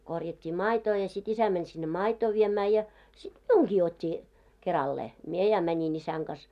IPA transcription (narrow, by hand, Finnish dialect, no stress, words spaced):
korjɑtʲːiː mɑitoː jɑ sit isæ mænʲ sinːe mɑitoː ʋiemæː jɑ sit miuŋɡ̊iː otʲːi kerɑlːeː mie jɑ mænʲin isæŋ ɡ̊ɑs